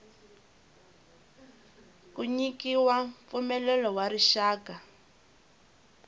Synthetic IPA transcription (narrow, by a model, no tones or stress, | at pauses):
kuɲikiwaɱp̪fumɛlɛlɔwaɾiʃaːka